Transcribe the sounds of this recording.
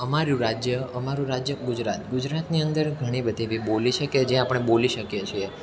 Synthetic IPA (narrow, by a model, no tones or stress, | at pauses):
əmaɾũɾad͡ʒjəəmaɾũɾad͡ʒjəɡud͡ʒɾat̪ɡud͡ʒɾat̪niənd̪əɾɡʱəɽ̃ibəd̪ʱiʋiboliʃʰəked͡ʒeapəɳ̃eboliʃəkjet͡ʃʰie